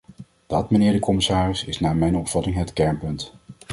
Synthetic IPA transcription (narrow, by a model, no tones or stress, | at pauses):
d̥ɑtmənɪːɹdəkɔmɪsaːrɪsɪsnaːɹmɛjnɔpfɑtɪŋɦətkɛɹnpɵnt